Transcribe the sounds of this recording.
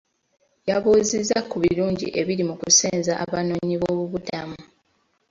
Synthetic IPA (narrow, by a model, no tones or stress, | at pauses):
jaβuːzizːakuβiluːɲɟḭʔe̞βiɾimukuseːnzaʔaβanoːɲiβoːβuβudamu